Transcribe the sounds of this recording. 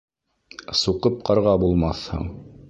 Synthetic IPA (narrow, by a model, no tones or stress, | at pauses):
suqɤp̚qɑɾʁɑbulˠmɑθhɤ̰ɴ